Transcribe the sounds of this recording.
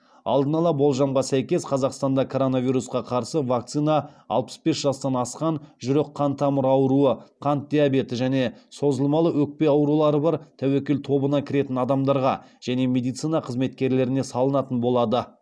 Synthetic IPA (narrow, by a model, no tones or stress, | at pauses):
ɑ̰lˠd̪ənɑlˠɑbo̞lˠʒɑmʁɑsæjkʲe̞sqʰɑzɑqst̪ɑnd̪ɑkʰo̞ɾo̞navijɾusqɑqʰɑɾsəvak̚t̪sinɑɑ̰lˠpə̥sbe̞sʒ̥ɑst̪ɑnɑsqɑnʒʏɾe̞qʰːɑnt̪ʰːɑməɾɑwɾuəqʰɑnt̪̚d̪ʲijabe̞t̪ɪʒæne̞so̞zəlˠmɑlˠəwɵk̚pe̞ɑwɾulˠɑɾəbɑɾt̪ʰæwekʲe̞lt̪ʰo̞bənɑkʲʰɪɾe̞t̪ɪnɑd̪ɑmd̪ɑɾʁɑ | ʒ̥æne̞me̞d̪ijt̪sijnɑqʰəzme̞t̪kʲe̞ɾle̞ɾɪne̞sɑlˠənɑt̪ənbo̞lˠɑd̪ə